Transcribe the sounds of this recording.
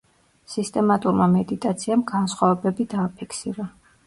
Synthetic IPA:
sist̪ʼɛmat̪ʼuɾmamɛd̪it̪ʼat̪sʰiamɡansχwavɛbɛbid̪aːpʰikʰsiɾa

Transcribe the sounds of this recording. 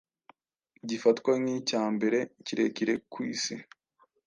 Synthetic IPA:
ɟifatkwaŋicaːmbe̞ɾe̞ciɾe̞̰ciɾe̞kwiːsi

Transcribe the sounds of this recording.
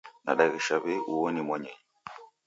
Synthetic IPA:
na̰ɗaɣiʃaβɛʔuɔnimwɛɲɛɲɛ

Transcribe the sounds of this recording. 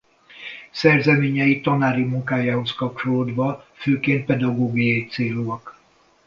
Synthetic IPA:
sɛrzɛmeːɲɛjit̪ɒnaːɾimuŋkaːjaːho̞skɒp̚t͡ʃo̞loːd̪ʋɒføːkeːnt̪̚pɛd̪ɒɡoːɡijɒjit̪seːluɒk

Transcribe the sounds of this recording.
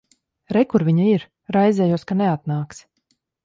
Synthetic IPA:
ɾɛkuɾvʲiɲaiɾ | ɾajzʲɛːjuɔskanɛat̪naːks

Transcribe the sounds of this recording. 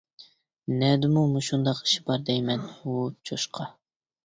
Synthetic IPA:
nɛd̪ɪmumuʃund̪ɑqi̥ʃi̥bɑɾd̪ɛjmɛnut͡ʃʰoʃqʰɑ

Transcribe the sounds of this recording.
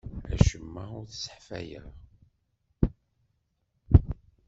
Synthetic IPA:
æ̰ʃəmːaʊɾθsə̥ħfæ̰jəʁ

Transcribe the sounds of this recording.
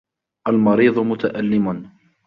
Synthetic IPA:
ʔalmɑɾiːðˤʊmʊt̪aʔalːɪmʊn

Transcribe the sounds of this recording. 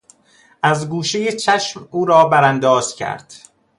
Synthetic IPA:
ʔæzɡuːʃejet͡ʃʰæʃmuːɾɒːbæɾænd̪ɒːz̥cʰæ̰ɾd̪̥

